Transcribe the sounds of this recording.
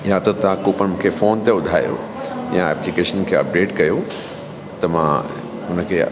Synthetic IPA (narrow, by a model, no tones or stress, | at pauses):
jat̪ɐt̪ɐʋ̤ãkuːpənmũkʰefoːnt̪eʊd̪ʱaːjo̰ | jãɛ̰ːplikeːʃənkʰeːɐ̰p̚ɖeːʈkɐjo | t̪ɐmã̰ | ʊnəkʰeː